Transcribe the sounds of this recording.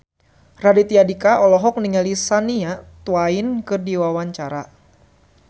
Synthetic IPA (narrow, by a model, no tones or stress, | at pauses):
radit̪iadikaʔɔlɔɦɔk̚niŋalisaniat̪uwaɪnkɨrdiwawaɲt͡ʃaɾa